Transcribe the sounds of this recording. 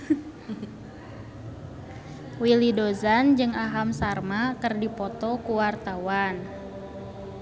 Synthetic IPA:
wilidozand͡ʒɨŋaɦamsarmakɨrdipɔt̪ɔkuwart̪awan

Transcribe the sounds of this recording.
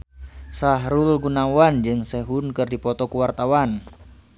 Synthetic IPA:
saɦɾulɡunawand͡ʒɨŋsɛɦunkɨrdipɔt̪ɔkuwart̪awan

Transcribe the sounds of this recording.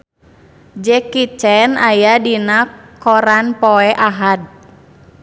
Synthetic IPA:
d͡ʒɛkit͡ʃɛnajadinakɔɾanpɔɛʔaɦad̚

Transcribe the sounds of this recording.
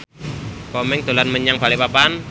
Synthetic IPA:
kɔmɛŋt̪o̤lanməɲaŋbalipapan

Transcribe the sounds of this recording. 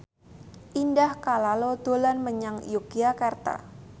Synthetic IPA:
ʔindahkalalod̪̥olanməɲaŋjuɡiakart̪a̰

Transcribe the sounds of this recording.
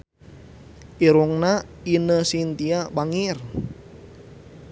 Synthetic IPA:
ʔiɾuŋna | inəsint̪iabaŋir

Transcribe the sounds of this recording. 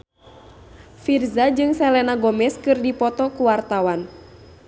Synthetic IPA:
firzad͡ʒɨŋsɛlɛnaɡɔmɛskɨrdipɔt̪ɔkuwart̪awan

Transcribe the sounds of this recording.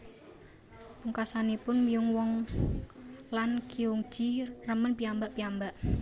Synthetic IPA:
puŋkasanipʊnmijʊŋwɔŋ | lankiuŋ̥ʒ̥irəmənpiambaʔpiambaʔ

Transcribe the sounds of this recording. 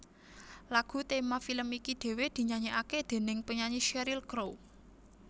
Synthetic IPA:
laɡ̥ṳt̪emafiləmikid̪̥e̤wed̪̥i̤ɲaɲeʔaked̪̥e̤nɪŋpəɲaɲiʃɛɾilkɾow

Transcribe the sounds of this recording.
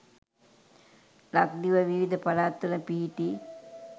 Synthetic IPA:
lak̚d̪iʋəʋiʋid̪ʱəpɐlaːt̪ːənəpiɦiʈi

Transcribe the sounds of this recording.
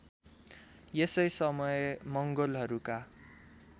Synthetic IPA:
jesʌjsʌmʌjemʌŋɡolɦʌɾuka

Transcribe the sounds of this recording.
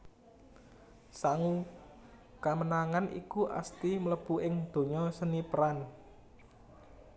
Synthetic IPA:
saŋu | kamənaŋanḭkuʔa̰st̪imələb̥uʔɪŋd̪̥o̤ɲɔsənipəɾan

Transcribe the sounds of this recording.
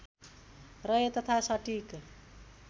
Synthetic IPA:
rʌjet̪ʌt̪ʰasʌʈik

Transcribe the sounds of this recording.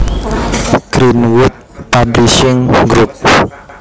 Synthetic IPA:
ɡ̥ɾinwʊt̪̚pabliʃɪŋɡɾup̚

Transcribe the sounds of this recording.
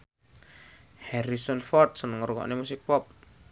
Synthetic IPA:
hɛɾisɔnfɔrt̪̚sənəŋɾukɔ̰ʔnemusɪk̚pɔp̚

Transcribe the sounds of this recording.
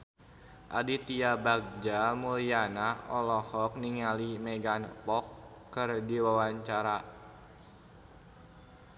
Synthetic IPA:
ʔadit̪iabaɡ̚d͡ʒamulianaɔ̰lɔhɔk̚niŋalimɛɡanpɔkː | ɨrdiwawaɲt͡ʃaɾa

